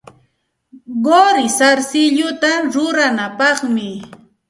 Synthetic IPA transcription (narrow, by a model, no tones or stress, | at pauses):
ɢoɾɪsaɾsɪʎʊt̪aɾʊɾanapɑχmɪ